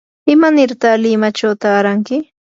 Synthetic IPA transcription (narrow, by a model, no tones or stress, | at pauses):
ɪmanɪɾt̪alɪmat͡ʃawt̪aːɾaŋkɪ